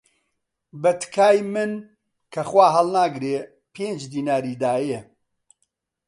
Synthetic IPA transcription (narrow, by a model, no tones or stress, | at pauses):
bɐt̪kʰaːjmɨn | kʰɐxwaːɦɐlˠnaːɡɾeː | pʰeːnd͡ʒd̪iːnaːɾiːd̪aːje